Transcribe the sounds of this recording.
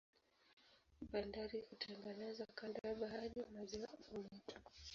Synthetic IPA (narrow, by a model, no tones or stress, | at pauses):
ɓandaɾihutʰaŋɡanazakandaaɓaɦaɾimaziwaumɛtʰu̥